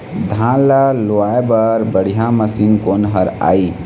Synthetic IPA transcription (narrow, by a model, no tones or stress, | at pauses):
d̪ʱãlaloaebəɾbəɽ̤ijaməsinkonɦəɾa̰i